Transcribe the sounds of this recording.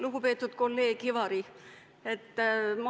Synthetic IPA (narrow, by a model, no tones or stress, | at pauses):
luɡ̥upe̞ːt̪ːˑud̪̥ko̞lːe̞ːkivɑɾi | et̪ːmɑ